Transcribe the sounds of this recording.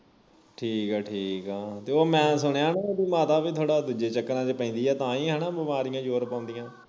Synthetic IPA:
ʈʰiːkɛːʈʰiːkaːt̪eːoːmɛ̃ːsʊɳ̃eaːnaːoːd̪iːmaːt̪aːʋiːt̪ʰoːɽaːd̪uːd͡ʒeːt͡ʃəkːəɾãːd͡ʒeːpɛ̃ĩːnd̪iːɛːt̪ãːiːɦɛːnaːbəmaːɾijãːd͡ʒoːɾpãːʊ̃nd̪ijãː

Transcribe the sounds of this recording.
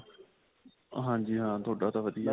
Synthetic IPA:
ə̰ɦãːd͡ʑiːɦãːt̪ʰoːɗaːt̪aːʋəd̪ʱiːaː

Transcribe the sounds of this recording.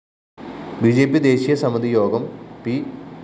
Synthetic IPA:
bid͡ʑe̞ːpːid̪e̞ːɕijɐsɐmɐd̪ijo̞ːɡɐmpi

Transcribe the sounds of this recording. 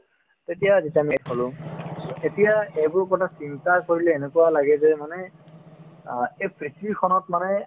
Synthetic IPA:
tetijaːzitamitholʊ̃ | etijaejbʊɹkɔtasintaɹkoɹilɛenekuwalaɡɛzɛmanɛ | ejpʰɹitikʰɔnɔt̚manɛ

